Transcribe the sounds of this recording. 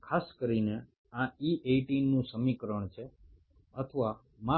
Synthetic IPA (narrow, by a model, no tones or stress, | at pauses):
kʰaskəɾine | ãiʔeʈinːũsəmikɾəɳ̃t͡ʃʰe | ət̪ʰəʋa | ma